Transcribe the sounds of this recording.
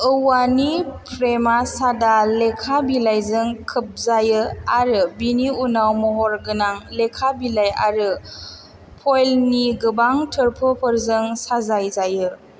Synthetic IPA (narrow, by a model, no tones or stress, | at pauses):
ɯwanipʰɾemasadalekʰabilajzɯŋkʰɯp̚zajɯaɾɯbiniunawmɔɦɔɾɡɯnaŋlekʰabilaja̰ɾɯ | pʰojlniɡɯbaŋtʰɯɾpʰɯpʰɯɾzɯŋsazajzajɯ